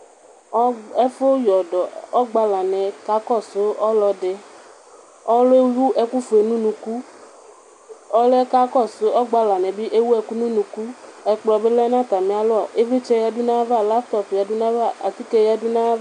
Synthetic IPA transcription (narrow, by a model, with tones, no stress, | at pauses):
ɔ˦ɛ˦fo˦jɔ˨dɔ˨ɔ˦ɡ͡ba˧la˨nɛ̃˨ka˨˦kɔ˦˨so˨˦ɔ˦lɔ˧dɪ˨ | ɔ˦lo˦e˦wu˦ʔɛ˨ku˦fe˨nũ˦nũ˨ku˦ | ɔ˦lɛ˦ka˦kɔ˦˨so˨˦ɔ˦ɡ͡ba˧la˨nɛ̃˨bi˦ʔe˦wu˦ɛ˧ku˦nũ˦nũ˨ku˦ɛ˨k͡plɔ˨be˦lɛ˦nã˦˨t̪a˨mẽ˨˦a˨lʊ˦ɔ˨ʔe˦ve˦t͡ʃɛ˦ja˦du˦nã˦va˦˨la˦ft̪ɔ˦pja˨du˦nã˦va˦˨ʔa˨t̪i˦kɛ˦ja˦du˦nã˦